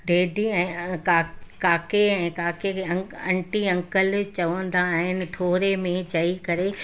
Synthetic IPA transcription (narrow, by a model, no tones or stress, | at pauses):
ɖeːɖʱiɛ̃ːkaːkaːkeɛ̃ːkaːkeɐɐ̃ɳʈiɐ̃ŋkəlt͡ɕɐʋə̃n̆d̪aːɦɪnɪ̆ʈʰoːɾemẽt͡ɕɐikɐɾe